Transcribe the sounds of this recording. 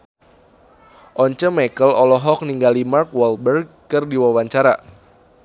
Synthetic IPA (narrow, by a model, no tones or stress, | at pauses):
ʔɔɲt͡ʃəmakəlɔlɔɦɔk̚niŋɡalimarkwɔlbərɡ̚ | kɨrdiwawaɲt͡ʃaɾa̰